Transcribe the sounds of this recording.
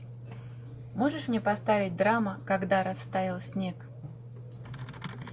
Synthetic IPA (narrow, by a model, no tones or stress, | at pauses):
mo̞ʐɨʂmnʲepɐst̪avʲɪt̚ʲd̪ɾaməkɐɡd̪aɾɐsːt̪avʲɪlˠsʲnʲek